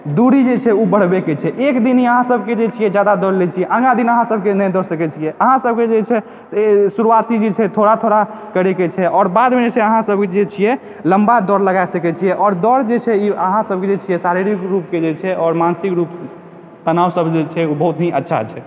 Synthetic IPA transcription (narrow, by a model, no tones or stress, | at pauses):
d̪uɾid͡ʒet͡ʃʰɛubəɽ̤beket͡ʃʰɛʔekd̪inɦiəɦãsəbked͡ʒet͡ʃʰijɛd͡ʒad̪ad̪ɔɾlet͡ʃʰijɛʔə̃ŋɡãd̪inəɦãsəbkenəjd̪ɔɾsəkɛt͡ʃʰijɛʔəɦãsəb̚ked͡ʒet͡ʃʰɛ | suɾuat̪id͡ʒet͡ʃʰɛt̪ʰoɽat̪ʰoɽa | kəɾɛket͡ʃʰɛʔɔːɾbad̪minesʰeəɦãsəb̚ked͡ʒet͡ʃʰijɛ | ləmbad̪ɔɾləɡaesəkɛt͡ʃʰijɛʔɔːɾd̪ɔɾd͡ʒet͡ʃʰɛiəɦãsəb̚ked͡ʒet͡ʃʰijɛsaɾiɾikɾup̚ked͡ʒet͡ʃʰɛʔɔːɾmansikɾup | t̪ənawsəbʱd͡ʒet͡ʃʰɛubəɦut̪ɦiʔətːʃʰa̰t͡ʃʰɛ